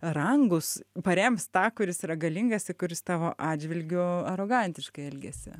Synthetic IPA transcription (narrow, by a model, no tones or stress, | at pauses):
rɐŋɡʊspɐɾʲɛmst̪ɑːkʊɾʲɪsiɾɐɡɐlʲɪŋɡɐsɪkʊɾʲɪst̪ɑːʋoːʔɑːd͡ʒʲʋʲɪlʲɡʲʊɐɾoːɡɐnʲt̪ʲɪʃkɐɪɛlʲɡʲɛsʲɪ̰